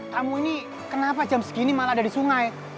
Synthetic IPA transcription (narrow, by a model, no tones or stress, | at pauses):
t̪amuini | kənapad͡ʒamsə̥kiːnimalaadadisuŋaj